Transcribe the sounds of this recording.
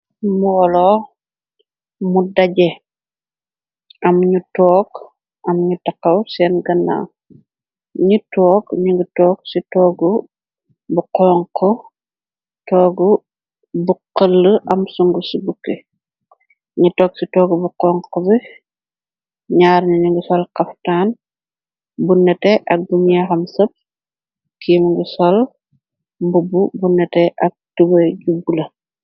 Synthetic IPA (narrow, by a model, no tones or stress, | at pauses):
muwɔlɔ | mudɐɟɛ | ɐmɲutɔːk | ɐmɲutɐqɐwsɛːnɡɐnːa̰ː | ɲitɔːkɲiŋɡutɔːk̚sitɔːɡu | buqɔŋqɔ | tɔːɡu | buqəlːəʔɐmsuŋɡusibukːe | ɲitɔːk̚sitɔːɡubuqɔːŋqɔbi | ɲaːɾɲuɲuŋɡusɔlqɐftaːn | bunːɛtɛʔɐk̚duɲaxɐmsɐp̚ | kiːmŋɡusɔl | bububunːɛtɛʔɐk̚tubɐɟubulɐ